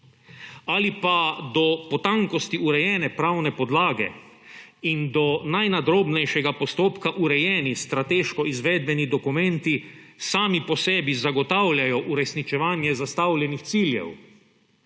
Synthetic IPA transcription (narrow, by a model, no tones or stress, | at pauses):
alipad̪ɔpɔt̪aŋkɔst̪iuɾɛjɛːnɛpɾawnɛpɔd̪laːɡɛ̰ | ind̪ɔnajnad̪ɾoːbnɛjʃɛɡapɔst̪oːpkaʔuɾɛjɛːnist̪ɾat̪eʃkɔizʋɛːd̪̚bɛnid̪ɔkumɛ̃nt̪isaːmipɔsɛːbizaɡɔt̪awljajɔʔuɾɛsnit͡ʃɛʋaːnjɛzast̪awlʲɛnixt̪siːljɛ̰w